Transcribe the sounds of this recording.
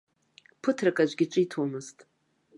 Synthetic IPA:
pʰɨtʰrakʼad͡ʒʷɡʲɪʈ͡ʂʷʼɨitʰomɨztʼ

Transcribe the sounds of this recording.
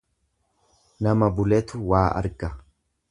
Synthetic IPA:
nɐmɐbʊlɛt̪ʊwaːʔɐ̰ɾɡɐ

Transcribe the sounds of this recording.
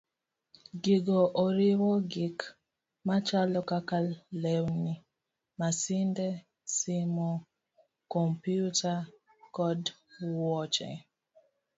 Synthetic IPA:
ɡiɡɔʔɔɾiwɔɡik | mat͡ʃalɔkakalɛwni | masindɛ | simo | kɔmpjuta | kɔdwɔt͡ʃɛ̰

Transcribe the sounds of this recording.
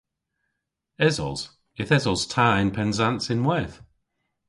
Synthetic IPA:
ɛzɔ̰lˠz̥ | ɪθɛzɔlˠz̥tʰaːɪ̃npʰɛ̃nzãntsɪ̃nwɛθ

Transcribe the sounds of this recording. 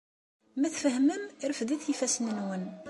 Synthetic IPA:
mæθfəhməmɾəfd̪iθjifæsənənwən

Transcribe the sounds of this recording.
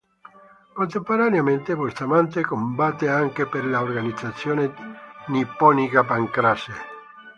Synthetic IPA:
kont̪empoɾanjamẽnt̪ekwest̪amant̪ekombat̪ːeaŋkepeɾlaorɡanid̪zat̪sːjoːnenipɔnikapaŋkɾase

